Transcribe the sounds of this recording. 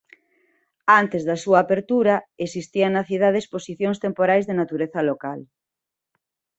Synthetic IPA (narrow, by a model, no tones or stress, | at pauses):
ant̪ezðɐsuaːpeɾt̪uɾɐesist̪ianɐθiðað̞eesposiθjoŋst̪empoɾajzðenat̪uɾeθɐlokal